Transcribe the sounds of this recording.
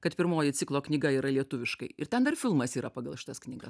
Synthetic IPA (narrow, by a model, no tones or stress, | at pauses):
kɐt̪pʲɪɾmoːjɪt̪sʲɪklˠoːknʲɪɡɐiːɾɐlʲiɛt̪ʊʋʲɪʃkɐɪɪɾt̪ʲɛnd̪ɐrfʲɪlˠmɐsiːɾɐpɐɡɐlˠʃʲɪ̥t̪ɐsknʲɪːɡɐs